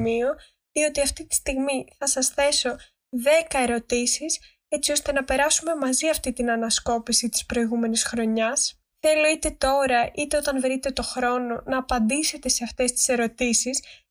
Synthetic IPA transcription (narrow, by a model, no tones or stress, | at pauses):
mio̞ | io̞t̪iɐft̪it̪i̥st̪iɣmiθɐsɐsθe̞so̞ | ðe̞kɐe̞ɾo̞t̪isis | e̞t͡sio̞st̪e̞nɐpe̞ɾɐsume̞mɐziɐft̪it̪inɐnɐsko̞pisit̪i̥spɾo̞iɣume̞nisxɾo̞ɲɐs | θe̞lo̞it̪e̞t̪o̞ɾɐʔit̪e̞o̞t̪ɐnvɾit̪e̞t̪o̞xɾo̞no̞nɐːpɐnd̪ise̞t̪e̞se̞ɐft̪e̞st̪i̥se̞ɾo̞t̪isis